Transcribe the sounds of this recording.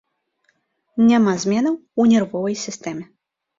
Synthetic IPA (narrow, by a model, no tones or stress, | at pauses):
nʲamazʲmʲɛnɐwunʲɛrvɔvɐjsʲist̪ɛmʲɛ